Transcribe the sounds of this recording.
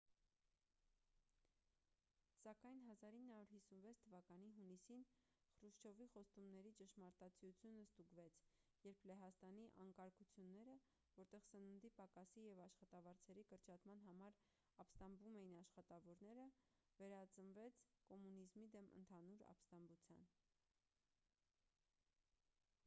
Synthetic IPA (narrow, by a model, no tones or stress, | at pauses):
sɑkɑjn̪ɦɑzɑɾinːəhɑuɾhisunvɛt͡sʰt̪ʰəvɑkɑniɦunisin | χɾuʃt͡ʃʰɔviχɔst̪umnɛɾit͡ʃəʃmɑɾt̪ɑt͡sʰijut͡sʰjunəst̪uɡvɛt͡sʰjɛɾpʰlɛɦɑst̪ɑniʔɑŋkɑɾkut͡sʰjunːɛɾə | vɔɾt̪ɛʁsənund̪ipɑkɑsijɛvɑʃχɑt̪ɑvɑɾt͡sʰɛɾikəɾt͡ʃʰɑt̪mɑn̪ɦɑmɑɾ | ɑpst̪ɑmbumɛjinɑʃχɑt̪ɑvɔɾn̪ɛɾə | vɛɾɑt͡sənvɛt͡sʰkɔmunizmid̪ɛmə̰nt̪ʰɑnuɾɑ̰pst̪ɑmbut͡sʰjɑ̰n